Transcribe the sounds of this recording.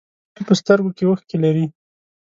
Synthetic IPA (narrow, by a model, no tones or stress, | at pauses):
pəst̪əɾɡokewəxkelaɾi